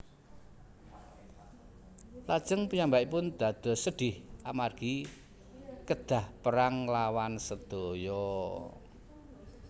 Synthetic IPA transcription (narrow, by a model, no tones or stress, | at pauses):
lad̥ʒ̥əŋpəɲambaʔipʊnd̪̥ä̤d̪̥ɔ̤səɖ̪̥ɪhʔamarɡ̥i | kəd̪̥a̤hpəɾaŋlawansəd̪̥ojɔ